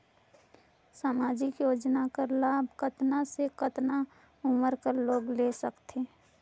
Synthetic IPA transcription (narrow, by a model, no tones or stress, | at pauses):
saːmaːd͡ʒɪkjoːd͡ʒnakəɾlaːbʱkət̪nasekət̪na | ʊməɾkəɾloːɡlesəkt̪ʰe